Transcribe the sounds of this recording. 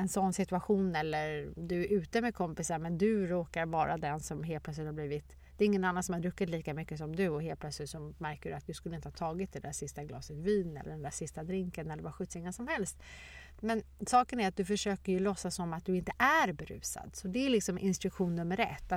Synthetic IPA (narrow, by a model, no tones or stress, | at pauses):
ɛnsɔnːsɪt̪ʉaɧuːnɛlːəɾd̪ɵæɾʔʉ̟ːt̪əmɛkʰɔmpɪsaɾmɛnd̪ɵɾoːkaɾvɑ̰ːɾʔa̰d̪ɛnsɔmɦeːl̚plœtslɪt̪haɾbliːvɪt̪ | d̪̥ɛːɾɪŋːənanːansɔmad̪ɾɵkːɪt̪liːkamʏkːəsɔmd̪ɵɔɦeːlpʰlœt̪slɪt̪sɔmæɾkədɵat̪d̪ɵskɵlːəɪnt̪əhɑaːt̪ʰɑːɡɪt̪̚d̪ɛd̪æːʂɪst̪aɡlɑ̰ːsət̪viːnɛ̰lːə̰ɖɛnd̪æsɪst̪ad̪ɾɪŋkənɛlːəɾvaɧʉ̟ːt̪sɪŋːanʂɔmhɛlst̪ | mɛnsɑːkənæɾat̪̚d̪ɵfœʂøːkəɾjɵlɔsːasɔmːat̪̚d̪ɵɪnt̪əʔæɾbɛɾʉ̟̰ːsa̰d̪sɔd̪ɛælɪksɔmʔɪ̰nst̪ɾɵkɧuːnːɵmːəɾɛ̰t̪ː